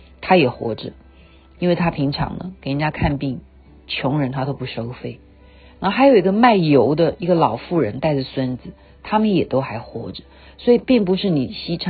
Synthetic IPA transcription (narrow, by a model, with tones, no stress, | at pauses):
t̪ʰa˥jɛ˨˩xwɔ̰˧˥ʈ͡ʂə˧ | i˥nwe˥˩ɪt̪ʰa˥pʰi˧˥ŋʈ͡ʂʰɑ̰˧˥ŋlə̰˦ke˨˩ɪn˨˧˩ja˥kʰa˥˧npi˥˩ŋ | t͡ɕʰjʊ˧˥ŋɻə˧˥nt̪ʰa˥t̪o˥ʊpu˧˥˩ʂo˥ʊfe˥˩ɪ | na˧˥o˥xa˧˥jo˨˩ʊi˧˥ɡə˧ma˥˩ɪjo˧˥ʊd̪ə˧i˧˥ɡə˧lɑ˨˩ʊfu˥˩ɻə̰˧˥nt̪a˥˧ɪʈ͡ʂə˨˩swə˥nd͡zɹ̩˩˦ | t̪ʰa˥mə˨njɛ˨˩t̪o˥ʊxa˧˥ɪxwɔ̰˧˥ʈ͡ʂə˨ | swɔ˧˥i˨˩pi˥˩ŋpu˧˥ʂɻ̩˥˩ni˨˩ɕi˥ʈ͡ʂʰ